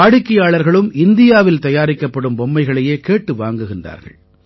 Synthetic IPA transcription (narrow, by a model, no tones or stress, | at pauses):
aːɽɪkːɐjaːɭɐɾɣɐɭɯmɪnd̪ɪjaːʋɪlt̪ɐjaːɾɪkːɐpːɐɽɯmbɔmːɐɪɣɐɭɐjeːkeːʈːɯʋaːŋɡɯɣɪndra̰ːɾɣɐ̰ɭ